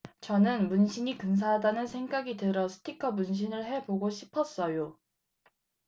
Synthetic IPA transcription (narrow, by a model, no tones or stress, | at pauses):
t͡ɕʌnɯnmunɕʰiɲikɯns̬ʰaɦadanɯnsʰe̞ŋɡaɡitɯɾʌsʰɯ̥tʰikʰʌmunɕ̬ʰinɯɭhe̞boɡoɕʰipʰʌs͈ʌjo